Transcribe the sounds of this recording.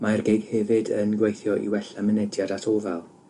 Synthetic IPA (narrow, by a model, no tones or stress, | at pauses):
marɡejɡ̥hɛvɨdənɡwejθjɔʔḭwɛɬamənɛdjadatʰovalˠ